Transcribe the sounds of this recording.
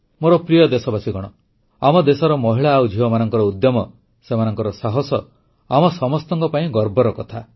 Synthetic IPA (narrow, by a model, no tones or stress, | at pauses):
moɾɔpɾijɔd̪esɔbasiɡɔɽ̃ɔ | amɔd̪esɔɾɔmɔɦiɭaːwd͡ʒʱibɔmanɔŋkɔɾɔud̪jɔmɔ | semanɔŋkɔɾɔsaɦɔsɔ | amɔsɔmɔst̪ɔŋkɔpaĩɡɔɾbɔɾɔkɔt̪ʰa